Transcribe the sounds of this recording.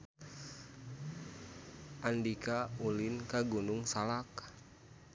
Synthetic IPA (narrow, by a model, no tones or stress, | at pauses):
ʔandikaulinkaɡunuŋsalak̚